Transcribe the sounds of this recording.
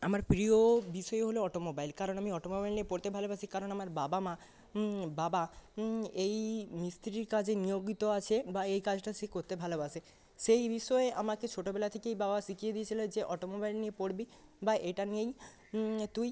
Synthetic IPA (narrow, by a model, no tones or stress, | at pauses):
amaɾpɾiobiʃɔeɦoloɔʈomobajlkaɾonamiɔʈomobajlniepoɾt̪ebʱalobasʰikaɾonamaɾbabama | baba | ejmist̪ɾiɾkad͡ʑenijoɡit̪oat͡ɕʰebaejkad͡ʑʈasekoɾt̪ebʱalobasʰe | ʃejbiʃɔeamaket͡ɕʰoʈobɛlat̪ʰekeejbabasikʰijed̪iet͡ɕʰilod͡ʑeʔɔʈomobajlniepoɽbibaʔejʈaniej | t̪uj